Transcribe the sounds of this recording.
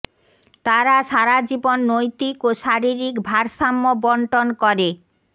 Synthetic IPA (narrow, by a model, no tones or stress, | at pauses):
t̪aɾaʃaɾad͡ʑibonːojt̪ikoʃaɾiɾikbʱaɾʃamːobɔɳʈonkɔɾe